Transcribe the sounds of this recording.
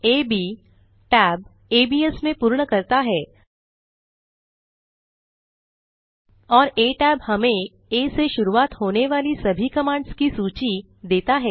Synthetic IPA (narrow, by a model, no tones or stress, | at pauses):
eːbiː | ʈɛːb̚ | eːbiːesmẽpuːɾɳəkɐɾt̪aɦɛː | ɔːɾeːʈɛːbhɐmẽ | eːseʃʊɾuaːt̪ɦoːneʋaːlisɐbʱikɐmãːɳɖskisuːt͡ʃi | d̪eːt̪aɦɛː